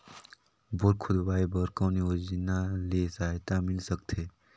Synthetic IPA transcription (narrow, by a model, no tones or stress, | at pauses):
boɾkʰʊd̪ʋaːjbəɾkõːniod͡ʒinalesat̪amɪlsəkt̪ʰe